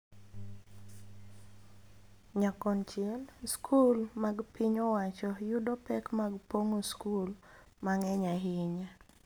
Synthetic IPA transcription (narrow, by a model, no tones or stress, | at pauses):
ɲakɔnt͡ʃɛlskʰulmaɡpiɲɔwat͡ʃɔjudopɛkmaɡpoŋoskul | maŋɛɲaɦɪɲa